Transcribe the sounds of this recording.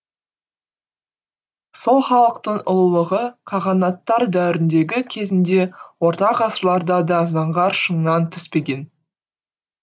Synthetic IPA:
so̞lˠχɑlˠəqt̪əɴʊlˠlˠəʁəqʰɑʁɑnɑt̪ːɑɾd̪æɾɪnd̪e̞ɡʲɪkʲʰe̞zɪnd̪e̞wo̞ɾt̪ɑqɑsəɾlˠɑɾd̪ɑd̪ɑzɑɴʁɑɾʃəɴnɑnt̪ʰʏspe̞ɡʲe̞n

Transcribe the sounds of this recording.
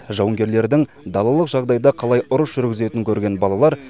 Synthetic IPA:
ʒɑwəŋɡʲe̞ɾle̞ɾd̪ɪŋ | d̪ɑlˠɑlˠəqʒɑʁd̪ɑjd̪ɑqʰɑlˠɑjʔʊɾəsʒʏɾɡʲɪze̞t̪ɪŋkʲʰɵɾɡʲe̞nbɑlˠɑlˠɑɾ

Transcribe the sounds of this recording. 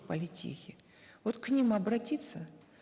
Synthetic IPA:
pəlʲɪtʲḭxʲɪ | vot̪knʲimɐbɾɐtʲit̪sə

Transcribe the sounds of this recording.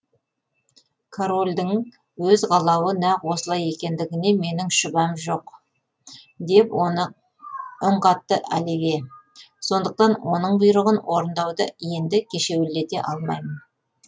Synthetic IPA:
kʰoɾo̞lʲd̪ɪŋ | wɵzʁɑlˠɑwənæqwo̞səlˠɑje̞kʲe̞nd̪ɪɡʲɪne̞me̞nɪŋʃʊbɑmʒo̞q | d̪e̞pn | ʊɴqɑt̪ːəʔæ̰leɡʲe̞ | so̞nd̪əq̚t̪ɑnwʔo̞nəɴbʊjɾəʁənwo̞ɾənd̪ɑwd̪əje̞nd̪ɪkʲʰe̞ʃe̞wɪlːe̞t̪e̞ʔɑlˠmɑjmən

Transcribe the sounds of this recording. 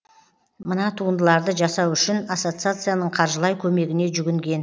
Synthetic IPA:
mənɑt̪ʰuənd̪əlˠɑɾd̪əʒɑsɑwʏʃɪnaso̞t̪sɨat̪sɨjanəɴqʰɑɾʒəlˠɑjkʲʰɵme̞ɡʲɪne̞ʒʏɡʲɪŋɡʲe̞n

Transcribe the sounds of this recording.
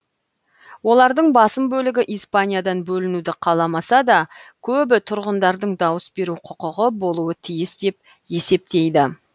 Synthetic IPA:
wo̞lˠɑɾd̪əɴbɑsəmbɵlɪɡʲɪʔijspanʲijad̪ɑnbɵlɪnud̪ɪqʰɑlˠɑmɑsɑd̪ɑkʲʰɵbɪt̪ʰʊɾʁənd̪ɑɾd̪əɴd̪ɑwəsbe̞ɾuqʰʊqəʁəbo̞lˠuət̪ʰijɪsd̪e̞p̚ | e̞se̞p̚t̪e̞jd̪ɪ

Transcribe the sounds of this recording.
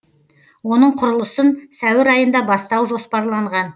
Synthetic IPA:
wo̞nəɴqʰʊɾəlˠəsənsæwɪɾɑjənd̪ɑbɑst̪ɑwʒo̞spɑɾlˠɑɴʁɑn

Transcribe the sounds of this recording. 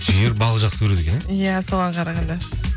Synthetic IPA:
ʒijeɾbɑlˠəʒɑqsə̥kʰɵɾed̪ekʲejæso̞ʁɑqʰɑɾɑʁɑnd̪ɑ

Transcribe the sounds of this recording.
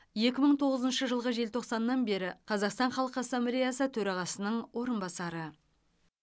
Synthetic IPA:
je̞kʲɪməɴt̪ʰo̞ʁəzənʃəʒəlˠʁəʒe̞lt̪ʰo̞qsɑnːɑnbe̞ɾɪqʰɑzɑqst̪ɑɴχɑlˠəqasːamblʲe̞jasət̪ʰɵɾɑʁɑsənəɴwʔo̞ɾənbɑsɑɾə

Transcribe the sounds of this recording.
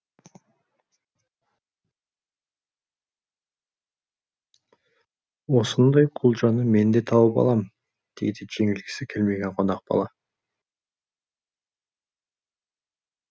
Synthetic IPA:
wo̞sənd̪ɑjqʰulˠʒɑnəme̞nd̪e̞t̪ʰɑwəpɑ̰lˠɑm | d̪̥e̞̰jd̪ɪʒ̥e̞ŋɪlɡʲɪ̥sɪkʲʰelme̞ɡʲe̞ɴqʰo̞nɑq̚bɑ̰lˠɑ

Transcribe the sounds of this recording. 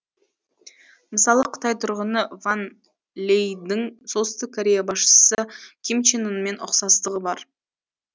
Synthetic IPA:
məsɑlˠəqʰə̥t̪ɑjt̪ʰʊɾʁənəvan | lʲejd̪ɪŋsolˠt̪sə̥st̪ɪk̚ʰːoɾʲe̞jabɑsʃə̥səkʲʰimt͡ʃenənme̞nʊ̰qsɑst̪əʁəbɑɾ

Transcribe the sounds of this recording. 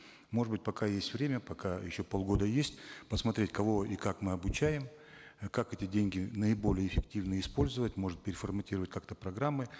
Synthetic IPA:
mo̞ʐɨd̪bɨt̚ʲpɐkajesʲtʲvɾʲemʲəpɐkajɪ̰ɕːo̞polˠɡo̞d̪əjesʲtʲpəsmɐt̪ɾʲetʲkɐvo̞ikakmɨɐbʊt͡ɕæjɪm | kakɛtʲɪdʲenʲɡʲɪnəɪbo̞lʲɪjəɪfʲɪktʲivnəɪspo̞lʲzəvətʲmo̞ʐɨt̪̚pʲɪɾʲɪfərmɐtʲiɾəvətʲkakt̪əpɾɐɡɾamːɨ

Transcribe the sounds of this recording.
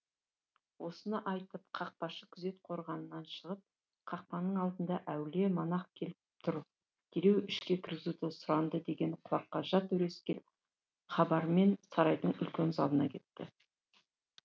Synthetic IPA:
wo̞sənəʔɑjt̪əpqʰɑq̚pɑʃəkʲʰʏze̞t̪̚qʰo̞ɾʁɑnənːɑnʃəʁəp̚ | qʰɑq̚pɑnəɴɑlˠd̪ənd̪ɑʔæwle̞mɑnɑq̚kʲʰe̞lɪp̚t̪ʰʊɾ | d̪̥ʲʰeɾe̞wɪʃkʲe̞kʲʰɪɾɡʲɪzut̪esʊɾɑnd̪əd̪e̞ɡʲe̞nqʰʊwɑqːɑʒɑt̪ɵɾe̞skʲel | χɑbɑɾme̞nsɑɾɑjd̪əɴʏ̰lkʲe̞nzɑlˠənɑ̰kʲʰe̞t̪ːɪ̰

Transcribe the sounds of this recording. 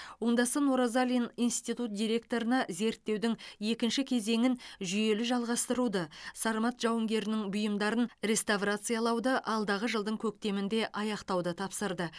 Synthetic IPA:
woɴd̪ɑsənoɾazalʲinijnst̪it̪ut̪̚d̪ijɾʲe̞k̚t̪o̞ɾənɑze̞ɾt̪ːe̞wd̪ɪŋe̞kʲɪnʃɪkʲʰe̞ze̞ŋɪnʒʏje̞lɪʒɑlˠʁɑst̪əɾud̪əsɑɾmɑt̪ʒ̥ɑwəŋɡʲe̞ɾɪnɪŋbʊjəmd̪ɑɾənɾʲe̞st̪avrat̪sɨjalˠɑwd̪əʔɑlˠd̪ɑʁəʒəlˠd̪əŋkʲʰɵk̚t̪e̞mɪnd̪e̞ʔɑjɑqt̪ɑwd̪ət̪ʰɑpsəɾd̪ə

